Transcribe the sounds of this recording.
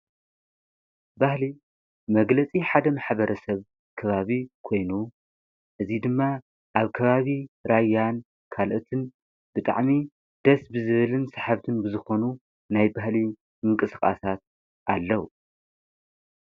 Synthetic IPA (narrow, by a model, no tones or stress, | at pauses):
bahli | mɐɡlɐt͡sʼiħad̪ɐmaħbɐɾʔɐsɐβ | kʰɐβaβikʰo̞jnu | ʔɨzid̪ɨmːa | ʔaβkʰɐβaβiɾajːan | kʰalʔot̪ʰɨn | bɨt̪ʼa̰ʕmi | d̪̥ɐsbɨzɨβɨlɨnsaħaβt̪ʰɨnbɨzɨxo̞nu | najbahli | mɨŋkʼɨsxʼa̰sat̪̚ | ʔalːɐwu